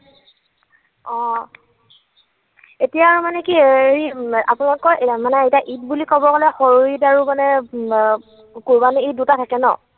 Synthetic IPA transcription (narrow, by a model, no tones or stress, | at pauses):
ɔ̃ | etijaːɹumanɛkieɹia̰punaɔtkɔjʔemanɛejtaʔit̚bulikɔbɔɡɔlɛxɔɹuitaɹumanɛ | kuɹbaniidutatʰakɛnɔ̰